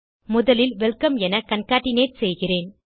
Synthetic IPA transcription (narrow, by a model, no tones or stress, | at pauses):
mʊðɐlɪlʋɛlkɐmɛnɐkɐnkaːʈːɪneːʈ̚sɛjɣɪreːn